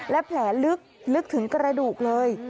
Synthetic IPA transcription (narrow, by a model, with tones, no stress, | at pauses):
lɛː˦˥pʰlɛː˩˦lɯ˦˥k̚lɯ˦˥k̚t̪ʰɯ˩˦ŋkɾa˧duː˨˩k̚lɤː˧j